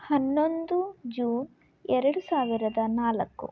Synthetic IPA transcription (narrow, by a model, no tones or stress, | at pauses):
hɐnːo̞nd̪ud͡ʒuːn | ɛɾɐɽusaːʋiɾɐd̪ɐnaːlɐkːṵ